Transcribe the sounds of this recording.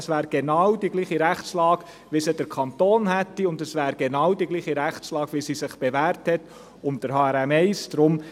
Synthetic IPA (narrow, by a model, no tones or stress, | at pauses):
svæːɾɡ̥enɑwdiɡliːχiɾæχt͡slɑːɡ̥ | ʋɪsəd̥əɾkʰɑntoːnhætːiʊndəsvæːɾɡenɑwdiɡliːχiɾæχt͡slɑːɡ̥ʋisisɪχb̥evæːɾthɛt | ʊnt̚d̥əɾɦɑːæɾɛmɛɪsd̥ɾʊm